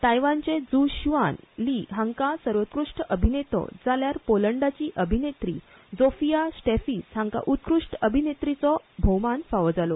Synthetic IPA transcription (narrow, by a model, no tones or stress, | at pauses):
t̪ajʋant͡sẽd͡zuɕiʋanliɦãŋkasəɾʋət̪̚kɾuʂʈəbʱinet̪ɔ̰d͡zaljaɾpoləɳɖat͡ɕiːʔəbʱinet̪ɾi | d͡zofijasʈefishãŋka̰ʔut̪̚kɾuʂʈəbʱinet̪ɾit͡sɔbʱowmanfaʋd͡zalɔ